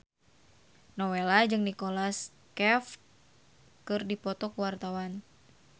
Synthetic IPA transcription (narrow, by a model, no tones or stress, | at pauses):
nɔwelad͡ʒɨŋnikɔlas | kɛf | kɨrdipɔt̪ɔkuwart̪awan